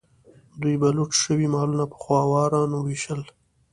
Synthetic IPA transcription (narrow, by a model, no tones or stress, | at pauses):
d̪ujbaluʈʃəwimɑlunapə̥xwɑwɑɾɑnowiʃəl